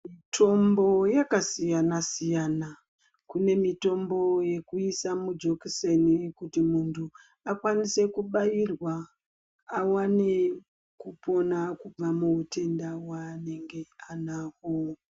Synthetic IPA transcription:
mitʰo̞mbo̞jakasijanasijana | kune̞mito̞mbo̞je̞kuisamud͡ʒo̞kisenikutimuntʰu | akwanise̞kuɓajirwaː | wane | kupʰo̞nakub͡vamuute̞ndawane̞ŋɡe̞anaːho

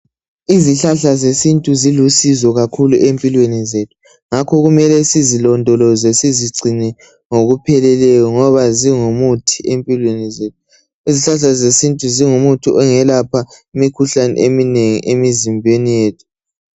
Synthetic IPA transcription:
iziɬaɬazesintʼuzilusizɔɣakʰuluʔempʼilwenizetʰu̥ | ŋakʰɔɣumɛlɛsizilɔndʱɔlɔzesiziɡ͡ǀʱinɛ | ŋoɣupʰɛlɛlɛjɔŋɔβaziŋumutʰi̥empʼilwenizeːtʰu̥ | iziɬaɬazesintʼuziŋumutʰiʔɔŋɛlapʰaimikʰuɬanɛ̰ʔemineŋḭʔemizimbʱenijeːtʰu̥

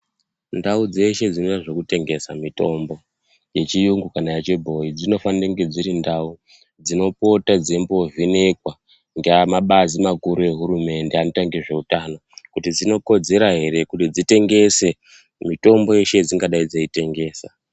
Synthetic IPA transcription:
ndaud͡ze̞ʃe̞d͡zino̞ɗaʐokute̞ŋɡe̞samito̞mbo̞ | je̞t͡ʃijuŋɡukanajat͡ʃebʱo̞id͡zino̞fanireŋɡe̞d͡ziɾindau | d͡zino̞po̞tad͡ze̞mbo̞vine̞kwa | ŋɡeamaɓazimakuɾue̞ɦuɾume̞nde̞ano̞taŋɡiʐe̞utaːno̞kutid͡zino̞ko̞d͡ze̞ɾaɦe̞ɾe̞kutid͡zite̞ŋɡe̞se̞ | mito̞mbo̞eʃe̞d͡ziŋɡaɗaid͡zaite̞ŋɡe̞ːsa

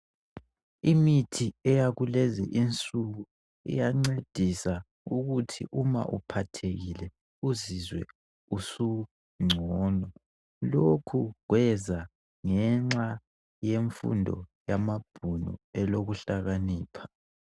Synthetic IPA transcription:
imitʰiɛjaɣulezḭʔint͡sʼuɣu | ḭjaŋ͡ǀed̥ʱisa | uɣutʰḭʔuma̰ʔupʰatʰeɣilɛ | uzizwɛ̰ | usu | ŋ͡ǀʱɔːnɔ | lokʰuɣwɛza | ŋɛŋ͡ǁa | jeɱfṵndʱɔ̰jamab̥ʱunɔ̰ɛloɣuɬaɣaniːpʰḁ

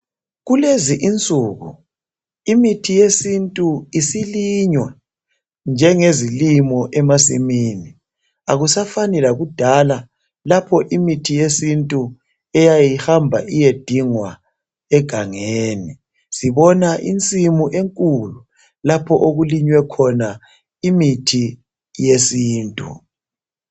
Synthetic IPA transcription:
ɣuleziʔint͡sʼuːɣṵ | imitʰijesintʼuisiliɲwa | nd͡ʒʱɛŋezilimɔʔɛmasḭmiːni | aɣusafanɛlaɣud̥ʱala | lapʰɔʔimitʰijesintʼu | ɛjajihambʱa̰ʔijed̥ʱiŋwa | ɛɡ̥ʱaŋeːni | siβɔnaʔḭnt͡sʼimuʔeŋkʼulu | lapʰɔʔoɣuliɲwɛkʰɔna | imitʰi | jesiːntʼṵ

